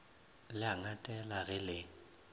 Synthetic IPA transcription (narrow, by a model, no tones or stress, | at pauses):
lɪaŋatʼɛlaɣɪlɪ